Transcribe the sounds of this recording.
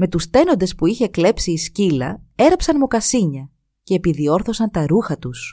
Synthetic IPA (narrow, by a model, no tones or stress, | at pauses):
me̞t̪ust̪e̞no̞nd̪e̞spuiçe̞kle̞psiːscilɐ̰e̞ɾɐpsɐnmo̞kɐsiɲɐ | ce̞ːpiðio̞ɾθo̞sɐnt̪ɐɾuxɐt̪us